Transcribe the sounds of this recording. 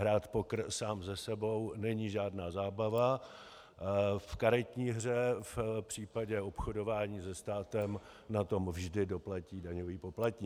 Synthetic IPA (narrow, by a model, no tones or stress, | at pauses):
ɦɾaːt̪po̞kr̩saːmzɛsɛbo̞wnɛɲiːʒaːdnaːzaːbava | fkaɾɪt̪ɲiːɦr̝ɛfpr̝̥iːpaɟɛo̞pxodo̞vaːɲiːzɛst̪aːt̪ɛm | nat̪o̞mvʒdɪdo̞placiːdaɲoviːpo̞plat̪ɲiː